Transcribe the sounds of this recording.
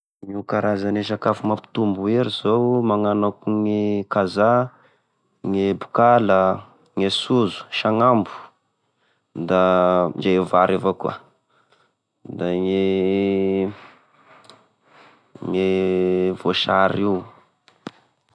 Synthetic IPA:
ŋukaɾazaneʃ̬akafumapi̥t̪umbueɾizowmaŋanakuŋikaza | ŋebukalə | ŋesuzu̥ʃaŋambu̥ | d̪ad͡ʒejevaɾevoka̰ | d̪aŋe | ŋe | voʃaɾiw

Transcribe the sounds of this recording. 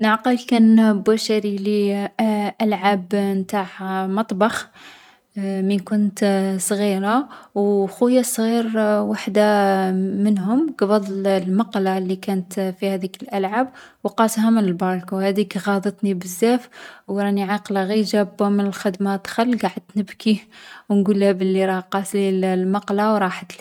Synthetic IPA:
nəʕqɑlkænbæʃaɾili | ʔælʕabnt̪aħmɑt̪ˤbɑx | minkʊnt̪sˤɣiɾawxujːasˤɣiɾwaħd̪a | mənhʊmkbɑd̪ˤllmɑqlalːikænət̪fihæd̪ikəlʔælʕab | wqɑshæmənəlbɑɾkuhæd̪ikɣɑd̪ət̪ˤnibəzːæfwɾˤɑniʕɑqlaɣiʒæbmənəlxəd̪mat̪xəlːɡaʕəd̪nəbkiwnɡulːæbəlːiɾˤɑqɑslillmɑqlawɾˤɑħət̪l

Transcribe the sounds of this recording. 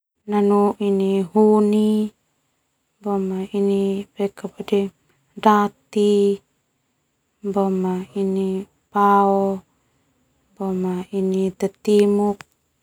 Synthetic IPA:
nanuʔiniɦuni | bamainipekapadɛ | dat̪i | bamaini | paɔ | bɔmainit̪at̪imuk̚

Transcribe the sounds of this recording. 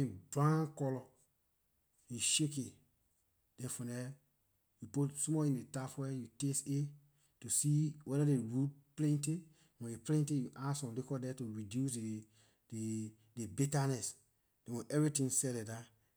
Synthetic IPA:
ĩdɹãnkɔlɔ | jiʃeke | d̥ɛ̃nfɔ̃nɛ | juputsomɔĩndetafwɛjutese | tusiwɛɾadeɹud̚plɛ̃nte | wɛ̃neplɛ̃ntejuʔasɔ̃lekɔdɛtuɹidjuse | de | debitanɛs | d̥ɛ̃wɛ̃ʔɛvɹitĩŋsɛlɛda

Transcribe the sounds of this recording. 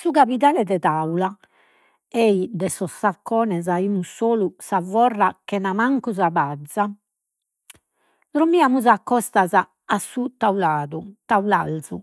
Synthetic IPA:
sukapit̪aːlɛd̪ɛt̪aula | eid̪ɛsɔsːakːɔːnɛzaimusoːlusavɔrːakɛnamaŋkuzaβad̪zːa | t̪ɾomiamuzakːɔst̪azaː | sːut̪aulaːðut̪aulalzu

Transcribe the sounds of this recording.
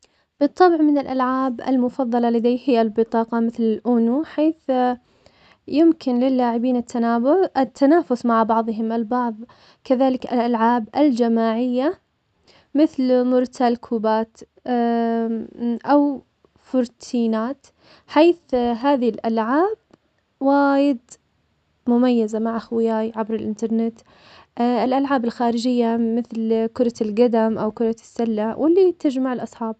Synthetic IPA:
b̥ɨt̪ˤːɑbʕmɪnɪlʔalʕaːbʔɪ̰lmʊfɑðˤːɑlɑlad̪aːjhɪjːalbɨt̪ˤɑːqɑmɪθlɪlʔʊnuħeːθ | jɪmkɪnlɪlːaːʕɪbiːnɪt̪ʰːanaːɪt̪ʰːanaːfʊsmaʕbɑʕðˤɦɪmɪlbɑʕðˤ | kaðaːlɪkɪ̰lʔalʕaːbʔɪld͡ʒamaːʕɪjːa | mɪθlmʊɾt̪ʰalkʰuːbaːt̪ | ʔaw | fʊɾt̪ʰiːnaːt̪ | ħeːθɦaːðɪlʔalʕaːb | waːjɪd̪ | mʊmajːazamaʕʔaxwɪjaːjʕabɾɪlʔɪnt̪ɑɾˤnɪt̪ | ʔɪlʔalʕaːbalxaːɾɪd͡ʒɪjːamɪθlkʊɾˤɑlɡad̪amʔawkʊɾˤɑsːalːawʔɪlːit̪ad͡ʒmaʕɪlʔɑsˤħɑːb̚

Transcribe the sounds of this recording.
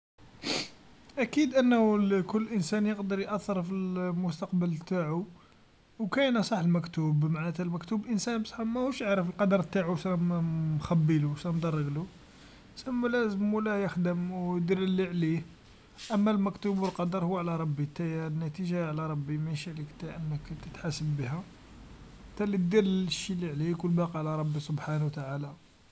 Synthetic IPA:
ʔækid̪ʔənːhukʊlːʔənsænjəqd̪əɾjʔæθːəɾˤfilmʊst̪ɑqbəlt̪aʕu | wkæjnsˤɑħəlmækt̪ubmaʕnæt̪ælmækt̪ublʔənsænbsˤħmæhuʃjaʕɾəfəlqɑd̪əɾˤt̪ːaʕuʃnæmmxæbːiluʃɾæmd̪ɑrˤːəɡlu | səmːulæzəmulæjəxd̪əmwjd̪iɾəlːiʕli | ʔəmːælmækt̪ubwəlqɑd̪əɾˤhʊwːʕlæɾˤɑbːit̪æjænːæt̪iʒaʕlæɾˤɑbːimæʃiʕlikt̪æʔənːəkt̪ət̪ħasəbːəɦæ | t̪ːælit̪d̪iɾʃːilːiʕlikʊlbɑqiʕlæɾˤɑbːisobħanwt̪aʕala

